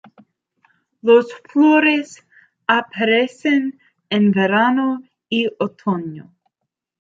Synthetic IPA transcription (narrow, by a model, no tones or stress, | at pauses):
losfloɾes | apʰaɾesen | ẽnveɾano | iot̪ʰono̰